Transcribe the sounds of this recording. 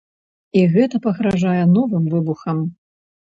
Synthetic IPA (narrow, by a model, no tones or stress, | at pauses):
iɣɛt̪ɐpɐɣɾaʐajɛnɔvɨmvɨbuxɐm